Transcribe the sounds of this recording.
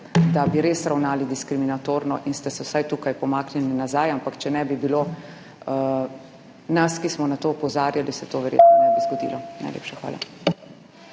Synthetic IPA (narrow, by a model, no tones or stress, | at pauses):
d̪abiɾeːsɾawnaːlid̪iskɾiminat̪oːɾnɔʔinst̪ɛsɛwsajt̪uːkajpɔmaːknɛlinazaːjampakt͡ʃɛnɛbibilo | naskismɔnat̪oːpɔzaːɾjalisɛt̪oːʋɛɾjḛt̪nɔnɛbizɡɔd̪ḭːlɔna̰jlḛːpʃaxʋa̰ːla̰